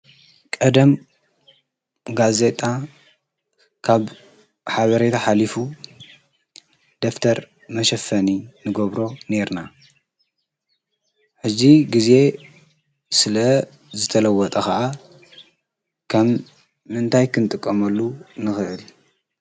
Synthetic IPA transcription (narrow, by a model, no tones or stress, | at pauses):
kʼɐd̪ɐm | ɡaze̞t̪ʼa | kʰaβ | ħaβɐɾet̪ʰaħalifu | d̪̥oft̪ʰɐɾ | mɐʃɐfːɐninɨɡoβɾo̞ne̞ɾna | ħɨzːiɡize̞ | sɨlɐ | zɨt̪ʰɐlɐwːɔt̪ʼɐkaʔa | kʰɐmː | ɨnt̪ʰajkʰɨnɨt̪ʼɨkʼːɐmɐlːunɨxɨʔɨl